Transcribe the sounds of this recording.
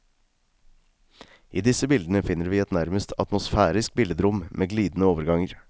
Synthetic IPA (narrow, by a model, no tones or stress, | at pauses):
ʔiːd̪ɪsəbɪld̪ənəfɪnːəɾʋiːɛt̪næɾməst̪ʰɑ̰t̪mʊsfæːɾɪsk̚bɪld̪əd̪ɾʊmmʔeːɡliːd̪n̩əoːʋəɾɡɑŋəɾ